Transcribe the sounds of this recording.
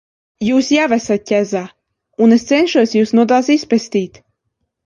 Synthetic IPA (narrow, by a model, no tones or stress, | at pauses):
juːsjavæsat̪̚cʲɛzaː | unest̪sɛnʃuɔsjuːsnuɔd̪aːsispɛst̪iːt̪